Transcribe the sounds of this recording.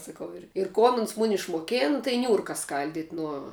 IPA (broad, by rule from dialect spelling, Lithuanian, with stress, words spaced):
sɐˈkɐʊ ˈɪr ɪr ˈkoːn ʊns ˈmʊnʲɪ ɪʃmoːˈkʲeːn tɐɪ ˈnʲuːrkɐ ˈskɐlʲdʲɪtʲ nuɔ